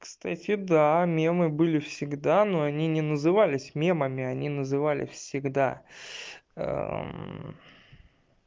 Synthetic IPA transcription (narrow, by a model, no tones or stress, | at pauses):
kst̪atʲɪd̪amʲemɨbɨlʲɪfsʲɪɡd̪anoɐnʲinʲɪnəzɨvalʲɪsʲmʲe̞məmʲɪɐnʲinəzɨvalʲɪ̰fsʲɪɡd̪a̰ | ə̰